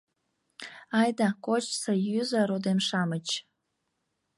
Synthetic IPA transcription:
ɑjd̪ɑkot͡ɕsojyzəɾod̪emʃɑmət͡ɕ

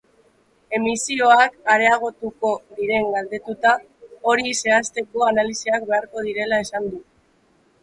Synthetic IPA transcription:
e̞misio̞akaɾe̞aɣ̞o̞t̪uko̞ðiɾe̞ŋɡald̪e̞t̪ut̪a | o̞ɾise̞ast̪e̞ko̞analisiak̚be̞aɾko̞ð̞iɾe̞lae̞sand̪u

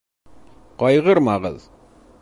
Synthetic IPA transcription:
qɑjʁəɾmɑʁə̰z

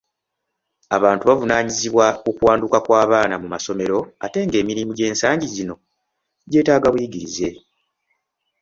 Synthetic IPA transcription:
aβaːntuβavunaːɲiziβwakukuwaːndukakwaːβaːnamumaso̞me̞ɾo̞a̰te̞ːŋɡe̞ːmiɾimuɟe̞ːnsaːɲɟizino̞ | ɟe̞ːtaːɡaβwiiɡiɾize̞

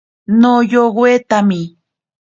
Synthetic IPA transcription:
nojoɢwet̪amɪ

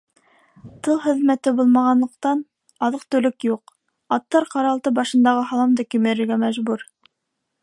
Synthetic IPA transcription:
t̪ɤlˠhɘ̆ðmæt̪ɘbulˠmɑʁɑnlˠɤ̆q̚t̪ɑn | ɑðɤq̚t̪ɵ̆lɵkjuq | ɑt̪ːɑɾqɑɾɑlˠt̪ɤbɑʃɤ̆nd̪ɑʁɤɦɑlˠɑmd̪ɑkɵ̆mæɾɘ̆ɾɡæmæʒbuɾ

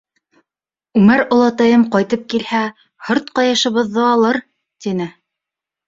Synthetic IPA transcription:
ʉmæɾŏlˠɑt̪ɑjɤmqɑjt̪ɤp̚kilhæ | hŏɾt̪qɑjɤ̆ʃɤ̆βɤ̆ðːɤɑlˠɤɾ | t̪inɘ

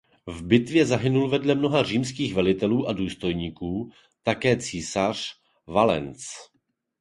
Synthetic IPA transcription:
vbɪt̪vjɛzaɦɪnulvɛdlɛmno̞ɦar̝iːmskiːxvɛlɪt̪ɛluːʔaduːst̪o̞jɲiːkuː | t̪akɛːt͡sisar̝̥ | valɛ̰nt͡s

